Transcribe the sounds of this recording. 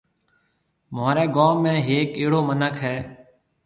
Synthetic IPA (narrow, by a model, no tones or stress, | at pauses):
maːɾɛːɡaːmːẽːɦeːkeːɽoːmənəkʰɦɛː